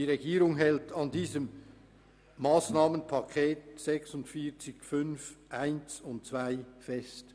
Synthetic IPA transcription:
iʁeɡiːɾʊŋɦɛltʰɑndiːzəmː | aːsnaːmənpʰɑkʰeːt̚sɛksʊntfiːɐt͡sɪçfʏnfʔaɪnsʊnt̚t͡sv̥aɪfɛst

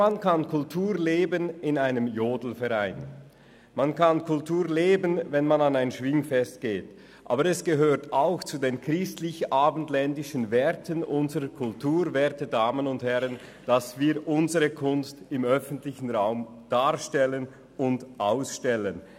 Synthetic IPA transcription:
mankankʰʊltʰuːleːbənɪnaɪnəmjoːdl̩fɛʁaɪn | mankʰankʰʊltuːʁleːbənvɛnmananaɪnʃv̥ɪŋfɛst̚ɡ̥eːt | ʔa̰ːbəʁɛsɡ̥əɦøːʁtaʊxt͡sudeːnkʁ̥ɪstlɪçaːbntlɛndɪʃənvɛɐtənʔʊnzəʁəkʰʊltuːʁvɛːɐtədaːmənʊnthɛʁən | d̥asv̥iːɐʔʊnzəʁəkʰʊnstɪmœfən̩tlɪçən̩ʁaʊm | d̥aːʁʃtɛlən | ʊndʔaʊsʃtɛlən

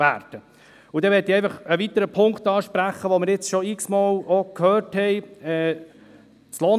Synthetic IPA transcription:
æ̰ːɾd̥ə | ud̥̪ɛʋɛtiɛɪfɑχəʋit̪əɾəpʰʊŋkt̪ɑːʃpɾæχəʋomɪɾjɪt͡sʃɔɪksmɑːlokʰhøːthɛɪɛː | sloː

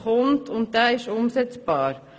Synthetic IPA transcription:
hɔnt̪ʰʊnt̪̚d̪æːɪʃʊmsɛt̪sb̥ɑːɾ

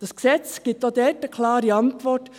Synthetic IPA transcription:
d̥ɑsksɛt͡sɡ̥itod̪ɛɾtəkʰlɑːɾiɑntʋɔɾt

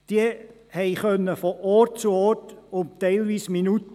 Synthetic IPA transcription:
d̥iə | hɛɪχœnːəfɔʔɔtt͡suɔrtʊmtɛɪlʋiːsminut

